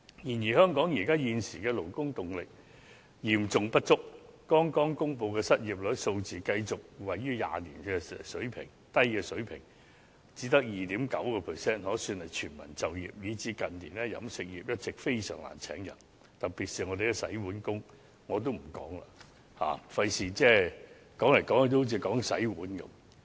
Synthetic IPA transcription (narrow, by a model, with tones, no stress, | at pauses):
jiː˨˩njiː˨˩hœː˥ŋkɔː˨˥ŋjiː˨˩kaː˥jiː˧nsiː˨˩kɛː˧lo˨˩wkʊ˥ŋt̪ʊ˨ŋlɪ˨k̚ | jiː˨˩mt͡sʊ˨ŋpɐ˥t̚t͡sʊ˥k̚kɔː˥ŋkɔː˥ŋkʊ˥ŋp̬o˧wkɛː˧sɐ˥t̚jiː˨p̚lɵ˨˥so˧wt͡siː˨kɐ˧jt͡sʊ˨k̚wɐ˨jːyː˥ja̰ː˨lḭː˨˩nkɛː˧sɵ˨˥ɥpʰɪ̰˨˩ŋ | t̪ɐ˥jkɛː˧sɵ˨˥ɥpʰɪ̰˨˩ŋ | t͡siː˨˥t̪ɐ˥k̚jiː˨˩t̪iː˨˥mkɐ˨˥wkɔː˧pʰɛ˨˩sɛː˥nhɔː˨˥syː˧nhɐ˨˩jt͡ʃʰyː˨˩nmɐ̰˨˩nt͡sɐ˨wjḭː˨p̚jiː˨˧t͡siː˨˥kɐ˨nniː˨˩nɛː˥jɐ̰˨˥msɪ˨k̚jiː˨p̚jɐ˥t̚t͡sɪ˨k̚fe˥jsœː˨˩ŋla̰ː˨˩nt͡sʰɛ̰ː˨˥ŋjɐ̰˨˩n | t̪ɐ˨k̚piː˨˩t̚siː˨ŋɔː˨˧d̪e˨kɛ˧sɐ̰˨˥jwuː˨˥nkʊ˥ŋ | ŋɔː˨˧t̪̬o˥wm̩˨˩kɔ̰ː˨˥ŋla̰˧ | ha̰ː˨˩fɐ˧jsiː˨t͡sɛː˥˩ | kɔː˨˥ŋlɐ˨˩jkɔː˨˥ŋɐ˧t̪o˥t͡siː˨˧kɔː˨˥ŋsɐ̰˨˥jwuː˨˥nkɐ̰˨˧˦m